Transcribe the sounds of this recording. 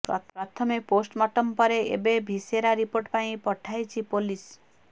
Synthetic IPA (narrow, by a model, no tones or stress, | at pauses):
pɾɔt̪ʰɔmeposʈmɔʈɔmpɔɾeḛbebʱiseɾaɾipoɾʈpaĩpɔʈʰajt͡ʃʰipolis